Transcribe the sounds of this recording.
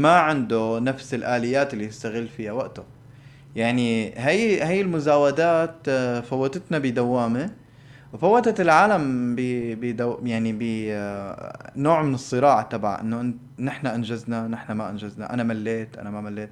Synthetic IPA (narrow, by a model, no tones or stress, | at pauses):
maʕɪnd̪ʊnafsɪlʔaːlɪjːaːt̪ɪlːijɪst̪aɣɪlːfɪjːawaʔt̪ʊ | jaʕniɦajhajːɪlmʊzaːwad̪aːt̪fawːat̪ɪt̪nabɪd̪awːaːmi | wfawːat̪at̪ɪlʕaːlambɪbɪd̪ajaʕnibɪ | noːʕmɪnɨsˤːɨɾɑːʕat̪ɑbʕa̰ʔɪ̰nːʊʔɪnt̪ | nɪħnaʔanʒaznanɪħnamaʔa̰nʒazna̰ʔa̰namalːeːt̪ʔa̰namamalːeːt̪̚